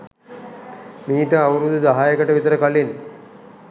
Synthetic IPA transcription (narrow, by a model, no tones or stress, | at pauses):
miːʈəaʋuɾud̪udaɦaːjəkəʈəʋit̪əɾəkalin